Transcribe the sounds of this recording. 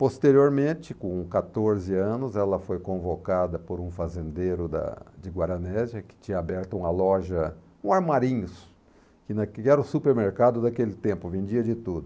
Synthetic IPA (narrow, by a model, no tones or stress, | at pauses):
post̪eɾioɾmẽt͡ʃɪkõkat̪oɾzɪɐ̃nʊzɛlɐfojkõvokad̪ɐpoɾũfazẽnd̪ejɾʊd̪ɐ̰d͡ʒɪɡwaɾɐnɛzjɐkɪ̥t͡ʃĩɲɐabɛɾt̪ɐũmɐlɔʒɐkũaɾmaɾĩɲʊs | kɪnɐkkɪɛɾɐʊsupeɾmeɾkad̪ʊd̪akelɪt̪ẽmpʊvẽd͡ʒiɐd͡ʒɪt̪ud̪ʊ